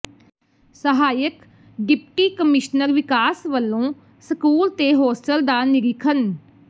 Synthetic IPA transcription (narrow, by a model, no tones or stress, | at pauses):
səɦaːjək | ɖɪpʈiːkəmɪʃnəɾʋɪkaːsʋəlːõː | səkuːlt̪eːɦoːsʈəld̪aːnɪɾɪkʰən